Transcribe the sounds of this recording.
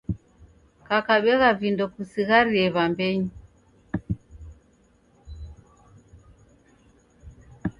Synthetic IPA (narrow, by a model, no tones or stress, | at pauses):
kakaɓɛɣavindɔkusiɣaɾiɛβambɛɲi